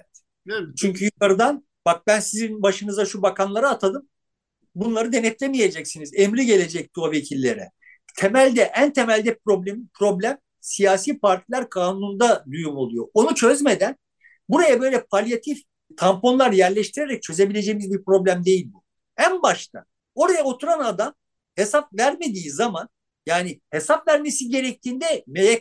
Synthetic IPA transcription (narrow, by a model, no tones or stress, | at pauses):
ɛt̪ | t͡ʃʰyɲcʰyjukaɾɯd̪an | bak̚bænsizinbaʃɯnɯzaʃubakʰanlˠaɾaːt̪ʰad̪ɯm | bunlˠaɾɯd̪e̞nɛt̪lʰemije̞d͡ʒɛcsinizemɾiɟe̞lʲe̞d͡ʒɛc̚t̪ʰove̞cʰilʲːe̞ɾɛ̰ | t̪ʰe̞mælʲd̪ɛʔænt̪ʰe̞mælʲd̪ɛp̚ɾo̞blʲemipɾo̞blʲæm | sijaːsiːpaɾt̪ʰilʲæɾkʰaːnunund̪ad̪ujumolˠujo̞onut͡ʃʰøzme̞d̪æn | buɾajabø̞jlʲɛpʰalʲjat̪ʰif | t̪ʰampo̞nlˠaɾjæɾlʲɛʃt̪ʰiɾeɾɛc̚t͡ʃʰø̞ze̞bilʲe̞d͡ʒe̞jimizbiɾpɾo̞blʲæmd̪e̞jilʲbu | ænbaʃt̪ʰa̰ | o̞ɾajao̞t̪ʰuɾanad̪am | he̞sap̚væɾme̞d̪iːzaman | jaːnihe̞sapvæɾme̞siɟe̞ɾɛc̚t̪ʰiːnd̪ɛmejɛ